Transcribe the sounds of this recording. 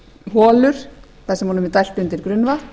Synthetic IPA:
ɦɔːlʏɾ̥ | θasɛmɦɔːnʏmɛt̪ajl̥pʏnt̪ɪɾkɾʏnvat̪

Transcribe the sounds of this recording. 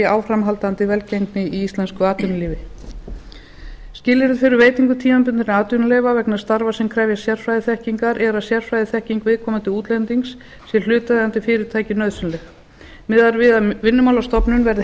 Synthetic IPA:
aːwfɾamɦalt̪ant̪ɪvɛlcejŋknɪiist̪lɛnskʏaːt̪ʏnaliːvɪ | scɪlːɪɾɪðfɪɾʏɾveːjt̪iŋkʏt̪ʰiːmampʏnt̪ɪnaːt̪ʏnalejvavɛknaɾ̥st̪aɾvasɛmkʰɾɛːvjḁsjɛr̥fɾajðɪθɛhciŋkaɾʔɛɾaðsjɛr̥fɾajðɪθɛhciŋkvɪðkʰɔːmant̪ɪuːt̪lɛnt̪iŋksː | jɛl̥ʏːt̪aðɪant̪ɪfɪːɾɪɾt̪ʰaːjcɪnœðsʏnlɛx | mɪðaɾvɪðavɪnːʏmawlast̪ɔpnʏnvɛɾðɪ

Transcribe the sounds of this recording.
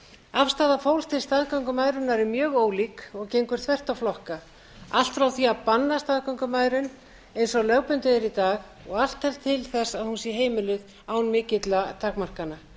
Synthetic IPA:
afst̪aːðafowlst̪ʰɪlst̪aːðkawŋkʏmaːjɾʏnːaɾɪmjœːɣoːwlikɔɣcejŋkʏɾ̥θʰvɛr̥t̪awflɔhka | a̰l̥t̪fɾawθiapanːast̪aːðkawŋkʏmaːjɾʏn | ejnsɔɣlœɣpʏnt̪ʏɛɾit̪aːɣ | ɔɣal̥t̪hɛl̥t̪ʰːɪlθɛsːaðhunsjɛɦeːjmɪlʏð | aːwnmɪːcɪt̪lat̪ʰaːkmar̥kanːa

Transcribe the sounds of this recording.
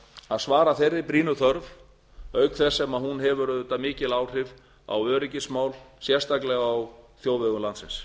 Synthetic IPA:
aðsvaːɾaθejrːɪpɾiːnʏθœɾv | œːɥkθɛsːɛmaðhunɦɛvʏɾðʏnt̪amɪːcɪlaːwr̥ɪv | a̰wœːɾɪcɪsmaːwlsjɛ̥st̪aklɛɣaːwθjoːwvɛɣʏmlant̪sɪ̰ns

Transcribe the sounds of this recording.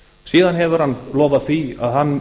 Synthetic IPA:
siːðanɦɛvʏɾ̥hanːlɔːvaðθia̰ðhanː

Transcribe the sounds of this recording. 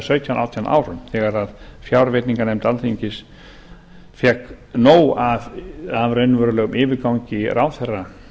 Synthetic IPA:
sœɥt̪ʰjana̰wt̪ʰjanʔa̰ːwɾʏmθɛːɣaɾaðfjawɾvɪt̪niŋkanɛjmt̪alθiɲcɪs | fjɛknoːwavavɾœɥnʏvœːɾʏlœːɣʏmɪːvɪɾkawɲcɪɾʔaːwθɛra

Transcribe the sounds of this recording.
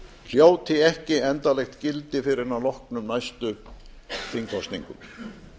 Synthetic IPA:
l̥jaːwt̪ʰɪɛhcɪɛnt̪alɛxt̪cɪlt̪ɪfɪɾɪnanlɔhknʏmnajst̪ʏ | θiŋkʰɔst̪nḭŋkʏ̰m

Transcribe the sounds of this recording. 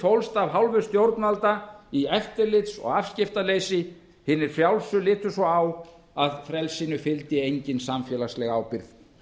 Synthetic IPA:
fowlst̪avɦawlvʏ̥st̪jowɾt̪nalt̪aiɛft̪ɪɾlɪt̪sɔ̰ɣafscɪft̪alejsɪ | hɪnːɪɾ̥fjawlsʏlɪːt̪ʏsɔaw | aðfɾɛlsinʏfɪlt̪ɪejɲcɪnsamfjɛːlaslɛɣaːwpɪɾθ

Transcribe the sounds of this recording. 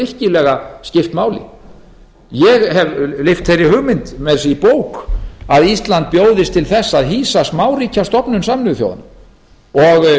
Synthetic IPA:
ɪr̥cɪlɛɣascɪft̪maːwlɪ̰ | jɛɣhɛvlɪft̪θejrːɪhʏɣmɪnt̪mɛðsɪipoːwkaðist̪lant̪̚pjoːwðɪst̪ʰɪlθɛsːaðɦiːsasmaːwriːcast̪ɔpnʏnsamnʏðʏθjo̰wða̰na | ɔɣ

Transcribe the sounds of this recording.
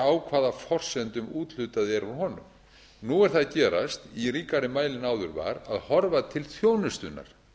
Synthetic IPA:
aːwkʰvaːðafɔr̥sɛnt̪ʏmuːt̪l̥ʏt̪aðɛɾuɦɔnʏ̰m | nuɛɾ̥θaðcɛːɾa̰st̪iɾiːkaɾɪmaːjlɪnaːwðʏɾva̰ɾaðhɔɾvat̪ʰɪlθjoːwnʏst̪ʏnːa̰ɾ̥

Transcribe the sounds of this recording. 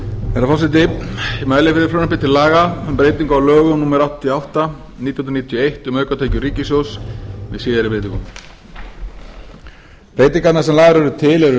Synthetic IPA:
ɛɾafɔsɪt̪̬ɪmaːjlɪfɪɾɪɾfɾoːnɛpɪt̪ʰɪlːaːɣaʏmpɾeːjt̪iŋkawlœːɣʏnuːmɛɾawht̪t̪ʰiawht̪a | nit̪jnhnɾnit̪ʰjɔejht̪ʏmœːkat̪ʰeːjcʏɾiːcɪsjowsmɪðsiːðɪɾɪpɾejt̪ĩŋkʏm | pɾeːjt̪iŋkat̪nasɛmlaːɣaɾɛɾʏt̪ʰɪlɛɾʏ

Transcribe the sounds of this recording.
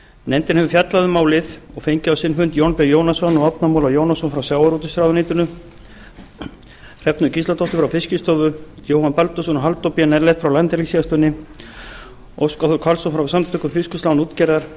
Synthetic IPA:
nɛnt̪ɪnhɛvʏfjat̪laðʏmaːwlɪðɔɣfejɲcɪawsɪnfʏnt̪jownpɛjoːwnasɔnːɔɣɔpnamowlajoːwnasɔnfɾawsjaːwaɾut̪ɪst̪ɾaːðʏniːt̪ʏnʏ | r̥ɛpnʏcist̪at̪ʰɔht̪ʏfɾawfɪscɪst̪ɔvʏjowhanpalt̪ɔs̬ɔnɔɦalt̪opiɛnɛɾlɛjht̪fɾawlant̪ɪɾlisiast̪œnːɪ | owskaθʏɾkʰalsɔnfɾawsamt̪ʰʏkʏɾ̥fɪskʏst̪awnuːt̪cɛɾðaɾ̥

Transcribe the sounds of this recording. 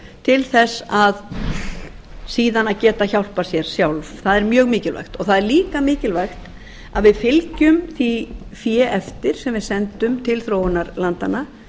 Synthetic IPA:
t̪ʰɪlθɛsað | siːðanaðcɛːt̪açawl̥pasjɛɾ̥sjawlvθaðɛɾmjœːɣmɪːcɪlva̰jxt̪ɔɣθaðɛɾliːkamɪːcɪlvajxt̪ | aðvɪðfɪlcʏmθifjɛːʔɛft̪ɪɾ̥sɛmvɪðsɛnt̪ʏmt̪ʰɪlθɾoːwʏnaɾlant̪ana

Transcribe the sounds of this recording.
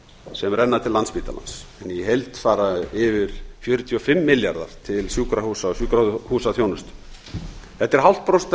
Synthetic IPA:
sɛmrɛnːat̪ʰɪlːanspiːt̪a̰la̰nsɛnjɛhejlt̪faːɾaɪvɪɾ̥fjœɾʏt̪ʰiɔfɪmːɪljaɾða̰ɾ̥t̪ʰɪlsjuːkɾahusaɔsjuːkɾahuːsaθjownʏst̪ | θɛht̪ːɛɾ̥ɦawl̥t̪̚pɾowst̪

